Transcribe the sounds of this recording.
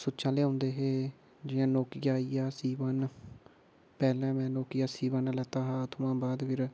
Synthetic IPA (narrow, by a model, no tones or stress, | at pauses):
sʊt͡ʃãːleːɦõːnd̪eːɦeː | d͡ʒɪãːnoːkɪjaːijaːsiːʋaːn | pɛːlɛ̃ːmɛ̃ːnoːkɪjaːsiːʋanlɛːt̪aːɦaːt̪ʰʊmãːbaːd̪pʰɪɾ